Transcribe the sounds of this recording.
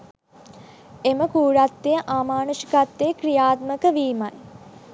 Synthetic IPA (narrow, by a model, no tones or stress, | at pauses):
eməkuːɾat̪ːejəʔaːmaːnusi̥kat̪ːejəkrijaːt̪̚məkəʋiːmaj